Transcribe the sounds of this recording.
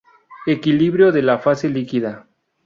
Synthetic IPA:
ekiliβɾjoðe̞lafase̞likiða

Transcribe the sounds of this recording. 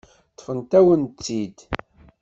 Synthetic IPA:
t̪ˤːfənt̪æwənid̪

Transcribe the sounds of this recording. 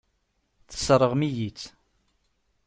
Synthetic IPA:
θə̥sɾˤəʁmijit͡sː

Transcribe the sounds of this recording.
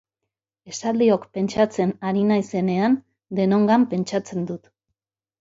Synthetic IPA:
e̞sald̪io̞kpe̞nt͡ʃat͡se̞naɾinajse̞ne̞an | d̪e̞no̞ŋɡampe̞nt͡ʃat͡se̞nd̪ut̪

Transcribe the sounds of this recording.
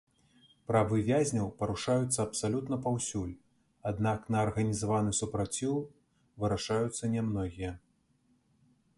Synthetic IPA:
pɾɐvɨvʲazʲnʲɐwpɐɾuʂajut̪sːɐɐpsalʲut̪nɐpawsʲulʲ | ad̪naknɐːrɣɐnʲizavanɨsupɾat͡sʲiw | vɨɾaʂajut̪sːɐnʲɛmnɔɣʲijɐ

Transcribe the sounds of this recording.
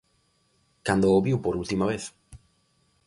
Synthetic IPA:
kand̪ooβiwpoɾult̪imaβ̞eθ

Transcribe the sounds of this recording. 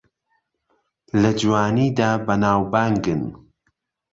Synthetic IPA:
lɐd͡ʒwaːniːd̪aːbɐnaːwbaːŋɡɨn

